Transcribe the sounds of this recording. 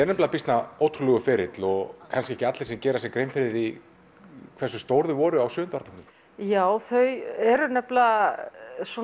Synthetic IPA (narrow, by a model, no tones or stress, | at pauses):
ɛɾnɛplapist̪naoːwt̪ʰɾulɛɣʏfɛɾɪt̪lɔɣkʰanskcɪɛhcɪat̪lɪsɛcɛːɾas̬jɛkɾeːjnfɪɾɪði | kʰvɛrsʏst̪oːwɾðʏvɔːɾʏawsʏːnt̪aɾt̪ʰɔknʏm | jaːwθœɥɛɾʏnɛpla | sɔ